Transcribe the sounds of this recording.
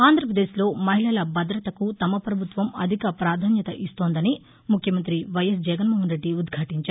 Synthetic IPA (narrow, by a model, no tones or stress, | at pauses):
aːnd̪ʱɾɐpɾɐd̪e̞ːslo̞ːmɐɦilɐlɐbɐd̪ɾɐt̪ɐkut̪ɐmɐpɾɐbʱut̪ʋɐmɐ̰d̪ʱikɐpɾaːd̪ʱaːnjɐt̪ɐʔist̪o̞ːnd̪ɐni | mukʰjɐmɐnt̪ɾiʋɐjɐsd͡ʒɛɡɐnmuːɦɐnɾe̞ɖːiud̪ɡʱaːʈiɲt͡ʃaːɾ